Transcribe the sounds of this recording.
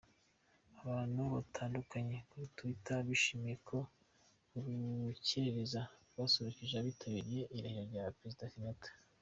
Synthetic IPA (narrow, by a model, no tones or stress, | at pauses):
aβaːn̥huβatʰaːndukaɲe̞kuɾutuitaβiʃiːmijekʰo̞ | uβɡuceeɾezaβasoɾociʒeaβitʰaβiɾije̞ʔiɾahiɾaɾɟapɾezidakinatḁ